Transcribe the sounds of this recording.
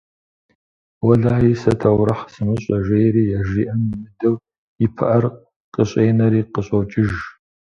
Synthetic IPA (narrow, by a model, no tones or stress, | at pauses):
wɐɮaːisɐtʰɐwɾɨħsɨmɨɕʼɐʒejɾiːjaʒiːʔɐmmɨdɐw | ɪpʰɐ̰ʔɐr | qʼəɕʼeːnɐɾiːqəɕʼowt͡ʃʼɪʒ